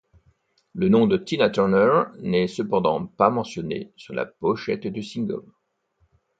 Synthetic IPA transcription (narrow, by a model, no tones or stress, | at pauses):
lənɔ̃d̪ət̪inat̪ɔʁnœʁnɛsəpɑ̃d̪ɑ̰̃pamɑ̃sjɔnḛsyʁla̰pɔʃɛt̪d̪ysĩŋɡɔ̰m